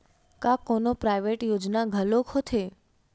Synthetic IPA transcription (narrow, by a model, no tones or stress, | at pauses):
kakonopɾajʋeʈjod͡ʒnaɡʱəlokʰɦot̪ʰe